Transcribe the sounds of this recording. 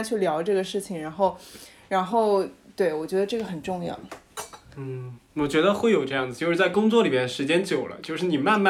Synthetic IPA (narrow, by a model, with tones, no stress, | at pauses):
t͡ɕʰy˥˩ljɑ˧˥ʊʈ͡ʂɤ˥˩ɡə˩ʂɻ̩˥˩t͡ɕʰi˨˩ŋɻa˧˥nxo˥˩ʊ | ɻa˧˥nxo˥˧ʊt̪we˥˩ɪwɔ˨˩t͡ɕɥɛ˧˥d̪ə˧ʈ͡ʂɤ˥˩ɡə˩xə˨˩nʈ͡ʂʊ˥˧ŋjɑ̰˥˩ʊ | n̩˥˩wɔ˨˩t͡ɕɥɛ˧˥d̪ə˧xwe˥˩ɪjo˨˩ʊʈ͡ʂɤ˥˧jɑ˥˩ŋd͡zɹ̩˨˩t͡ɕo˥˧ʊʂɻ̩˥˧t͡sa˥˩ɪkʊ˥ŋt͡swɔ˥˩li˨˩bjɛ˥nʂɻ̩˧˥t͡ɕjɛ˥nt͡ɕjo˨˩ʊlə̰˦t͡ɕjo˥˧ʊʂɻ̩˥˩ni˨˩ma˥˧nma˥